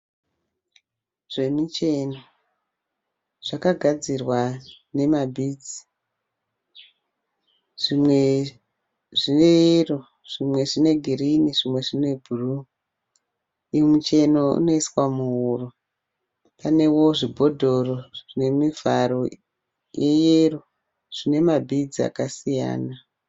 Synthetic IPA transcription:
ʐ̥e̞mit͡ʃe̞no | ʐ̥akaɡʱad͡zirwane̞mabʱid͡zi̥ | ʐimwe | ʐineiro | ʐ̥imwe̞ʐine̞ɡʱiriniʐimwe̞ʐine̞bʱuru | imut͡ʃe̞no̞ṵno̞iswamuuro | pane̞wo̞ʐibʱo̞dʱo̞roʐʐ̥ine̞mivaɾo | jejero | ʐ̥ine̞mabʱid͡zia̰kasija̰ːna

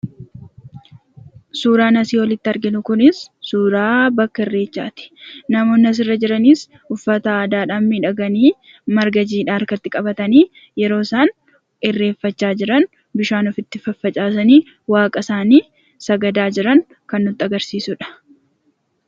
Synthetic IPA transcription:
suːɾaːnɐsiːwɔlɪt̪ːɪɐɾɡɪnʊkʊnɪsːuːɾaːbɐkːɐɪrːe̞ːt͡ʃːa̰ːt̪ɪ̥nɐmo̞ːnːɐs̬ɪrːɐd͡ʒɪɾɐniːs | ʊfːɐt̪ɐːd̪aːᶑaːmːiːᶑɐɡɐniː | mɐɾɡɐd͡ʒiːᶑaːɐɾkɐt̪ːɪkʼɐbɐt̪ɐniː | jɛɾo̞ːsaːn | ɪrːe̞ːfːɐt͡ʃːaːd͡ʒɪɾɐn | bɪʃaːnɔfɪt̪ːɪfɐfːɐt͡ʃʼaːs̬ɐniː | waːkʼɐsaːniː | sɐɡɐd̪aːd͡ʒɪɾɐn | kɐnːʊt̪ːɐɡɐɾsiːsʊᶑɐ̥

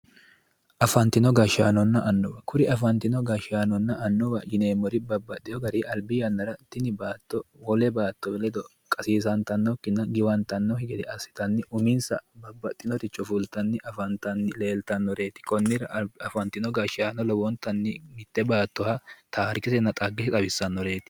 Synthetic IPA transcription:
ʔɐfɐnt̪ːɪnɔɡɐʃaːnɔnːɐʔɐnːɔwɐkʊɾɪɐfɐnt̪ɪnɔɡɐʃaːnɔnːɐʔɐnːɔwɐjɪneːmɔɾɪbɐbːɐd̪ɪjɔɡɐɾiʔɐlbɪjɐnːɐɾɐt̪ɪnɪbaːt̪ːɔwɔlɛbaːt̪ːɔwɛlɛd̪ɔ | kʼɐsiːs̬ɐnt̪ɐnːɔkːɪnːɐɡɪwɐnt̪ɐnːɔhɪɡɛd̪ɛɐsːɪ̥t̪ɐnːɪʔʊmɪnsɐ̰bɐbːɐt̪ʼːɪnɔt̪ɪt͡ʃʼɔfʊlt̪ɐnːɪʔɐfɐnt̪ɐnːɪle̞ːlt̪ɐnːɔɾeːt̪ːɪ̥kɔnːɪɾɐɐfɐnt̪ɪnɔɡɐʃaːnɔlɔwɔnt̪ːɐnːɪmɪt̪ːɛbaːt̪ːɔhɐt̪ʰaːɾkɪsɛnːɐt̪ʼɐɡːɪʃɪt̪ʼɐbɪsːɐnːɔɾe̞ːt̪ɪ̥

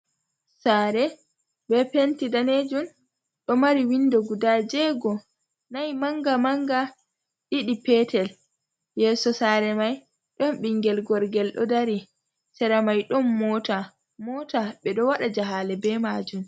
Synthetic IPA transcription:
saɾɛ | bɛpentidaned͡ʒun | ɗɔmaɾiwindɔɡudad͡ʒɛɡɔ | najmaŋɡamaŋɡa | ɗiɗipɛtʰɛl | jɛːsɔsaɾɛmaj | ɗɔnɓiŋɡɛlɡɔɾɡɛlɗɔ̰daɾi | tɛɾamajɗɔnːɔta | mɔːtaɓɛɗɔwaɗad͡ʒaɦalɛbɛmad͡ʒum

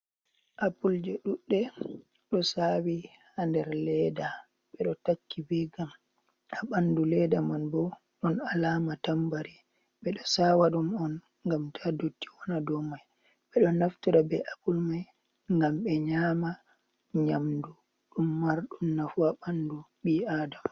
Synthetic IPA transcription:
ʔapuld͡ʒɔɗuɗːɛ | ɗɔsawi | handɛɾlɛda | ɓɛɗɔtakːibɛɡam | aɓandulɛdamanbɔ | ɗɔnalaːmatambaɾi | ɓɛɗɔsawaɗumɔn | ŋɡamtʰadotːi̥wɔnadɔmaj | ɓɛɗɔnːaftuɾabɛʔabulmaj | ŋɡamɓɛɲaːma | ɲamdu | ɗumːaɾɗumnafuaɓanduɓiadama

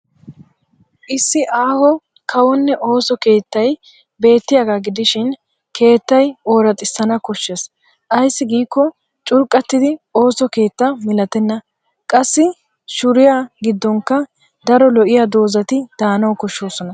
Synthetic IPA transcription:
ʔɪsːɪʔaːhɔ | kʰɐwɔnːɛʔo̞ːsɔke̞ːt̪ːɐj | be̞ːt̪ːɪjaɡaɡɪd̪ɪʃɪn | kʰe̞ːt̪ːɐjo̞ːɾɐt̪ʼɪsːɐnɐkɔʃːes | ʔɐjsːɪɡiːkːɔ | t͡ʃʼʊɾkʼːɐt̪ːɪd̪ɪoːsɔke̞ːt̪ːamɪlɐt̪ɛnːɐ | kʼɐsːɪ | ʃʊɾɪjaɡɪd̪ːɔŋkːɐ | d̪ɐɾɔlɔʔɪjad̪o̞ːzɐt̪ɪd̪̥aːnɐwkɔʃːo̞ːsɔnɐ

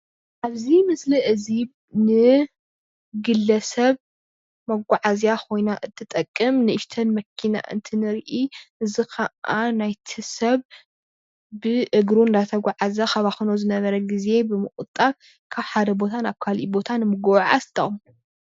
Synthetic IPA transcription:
ʔaβzimɨsliʔɨziβ | nɨ | ɡɨlːɐsɐβ | mɐɡʷaʕazjakʰo̞jnaʔɨt̪ʰːɨt̪ʼɐkʼːɨmnɨʔɪʃt̪ʰɐnmɐkʰːina̰ʔɨ̰nt̪ʰɨnɨɾʔiʔɨzikʰɐʔʔanajt̪ʰisɐβ | bɨʔɨɡɾuɨnd̪at̪ʰɐɡʷaʕazɐxɐβaxɨnozɨnɐβɐɾɐɡize̞bɨmɨxʼɨt̪ʼːat | kʰaβħad̪ɐbo̞t̪ʰanaβkʰalḭbo̞t̪ʰanɨmɨɡɐwʕa̰st̪ʼːɐχʼm

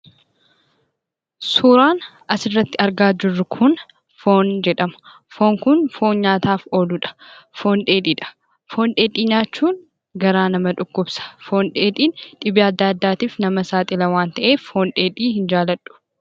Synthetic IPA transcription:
suːɾaːn | ɐsɪrːɐt̪ːɪɐɾɡaːd͡ʒɪrːʊkʰʊn | fo̞ːnd͡ʒɛᶑɐmɐ̥ | fo̞ːŋkʊnfo̞ːnɲaːt̪aːfo̞ːlʊᶑɐ̥fo̞ːnᶑe̞ːᶑiːᶑɐ̥ | fo̞ːnᶑeːᶑʼiːɲaːt͡ʃːuːn | ɡɐɾaːnɐmɐᶑʊkːʊbsɐ̥fo̞ːnᶑeːᶑiːnᶑɪbɪɐd̪ːaːd̪ːaːt̪iːfnɐmɐsaːt̪ʼɪlɐwaːnt̪ɐʔeːfo̞ːnᶑeːᶑiːhɪnd͡ʒaːlɐᶑʊ̥

